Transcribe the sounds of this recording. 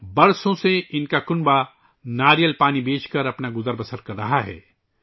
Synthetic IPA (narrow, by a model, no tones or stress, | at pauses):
bɐɾsõseɪnkakʊnba | naːɾijəlpaːnibeːt͡ʃkɐɾɐpnaɡʊzəɾbɐsəɾkɐɾːɐɦaɦɛ̰ː